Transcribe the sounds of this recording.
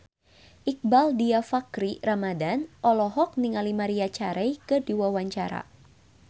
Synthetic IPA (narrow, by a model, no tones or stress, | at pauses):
ʔik̚baldiafakɾiramadanɔlɔɦɔk̚niŋalimaɾiat͡ʃaɾɛjkədiwawaɲt͡ʃaɾa̰